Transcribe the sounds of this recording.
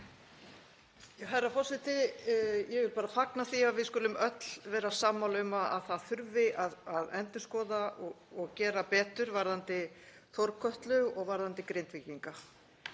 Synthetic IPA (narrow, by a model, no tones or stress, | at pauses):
jɛɦarːafɔsɪht̪ɪjɛɣvɪɾpaːɾafaknaθiaðvɪðskʏlʏmœt̪l̥vɛːɾasaːmːalœmaa̰ðθaðθʏɾvɪʔaðaðɛ̰nt̪ɪskɔːðaɔ | ɔɣcɛːɾapɛːt̪ʏɾvaɾðant̪ɪ | θɔɾkʰœht̪lʏɣɔɣvaɾðant̪ɪkɾejnt̪vɪciŋka